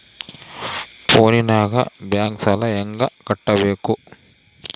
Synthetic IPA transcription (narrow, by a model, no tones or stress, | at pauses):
pʰoːninaːɡɐ̰bjaːŋksɐlɐɛŋɡɐkɐʈːɐbeːku